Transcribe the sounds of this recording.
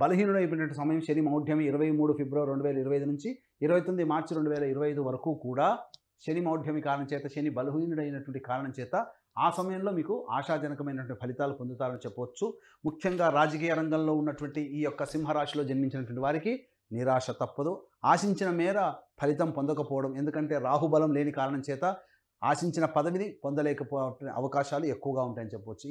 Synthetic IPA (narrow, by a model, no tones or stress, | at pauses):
bɐluɦiːnuɽɐjp̬inɐɐɳʈ̬ːisɐmɐjɐmʃenimɐwd̪ʱjɐmiːɾɐʋɐjmuːɽupʰebɾɐːɐɾe̞ɳɖuʋɛːlɐiɾɐʋɐjd̪unuɲt͡ʃi | iɾɐʋɐjt̪ond̪imaːɾt͡ʃɾe̞ɳɖuʋɛːlɐiɾɐʋɐjɐjd̪uʋɐɾɐkuːkuːɽaː | ʃenimɐwd̪ʱjɐmikaːɾɐɳɐmt͡ʃɛːt̪ɐʃenibɐluɦiːnuɽɐjinɐʈuʋɐɳʈikaːɾɐɳɐmt͡ʃɛːt̪a | aːsɐmɐjɐmlo̞ːmiːkuʔaːʂaːd͡ʒɐnɐkɐmɐjnɐʈʋɐɳʈipʰɐlit̪aːlupond̪ut̪aːɾɐnit͡ʃɛpːɐʋɐt͡ʃːu | mukʰjɐŋɡaːɾaːd͡ʒɐk̬iːjɐɾɐŋɡɐmlo̞ːunːɐʈuʋɐɳʈiiːjɔkːɐsimɦɐɾaːʂilo̞ːd͡ʒɐnmiɲt͡ʃinɐʈʋɐɳʈiʋaːɾiki | niɾaːʂɐt̪ɐpːɐd̪u | aːʃiɲt͡ʃinɐmɛːɾɐpʰɐlit̪ɐmpond̪ɐkɐpɔːʋɐɽɐme̞nd̪ukɐɳʈe̞ːɾaːɦubɐlɐmle̞ːnikaːɾɐɳɐmt͡ʃɛːt̪ɐ | a̰ːʃiɲt͡ʃinɐpɐd̪ɐʋinipond̪ɐlɛːkɐpoʔɐ̰ʋɐkaːʃaːlue̞kːuʋɐɡaːuɳʈaːjɐnit͡ʃɛpːɐʋɐt͡ʃːu